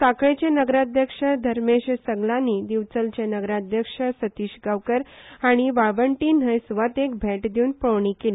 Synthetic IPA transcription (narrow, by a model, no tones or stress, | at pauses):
saket͡ɕẽnəɡɾad̪ʱjəkʂəd̪ʱəɾmeɕsəɡlãnːid̪iʋt͡səlt͡ɕanəɡɾad̪ʱjəkʂəsət̪iːɕɡaʋkəɾaɽ̃iʋaʋəɳʈin̤əjsʋət̪ekbʱeʈd̪iuːnpəʋɳikil